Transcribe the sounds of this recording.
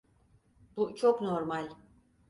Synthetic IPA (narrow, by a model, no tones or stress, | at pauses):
but͡ʃʰoknoɾmalʲ